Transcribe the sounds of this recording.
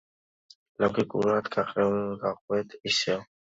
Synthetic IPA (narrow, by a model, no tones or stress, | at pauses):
lɔɡikʼṵɾat̪ɡʰaqʼɛumɡaqʼwɛt̪isɛ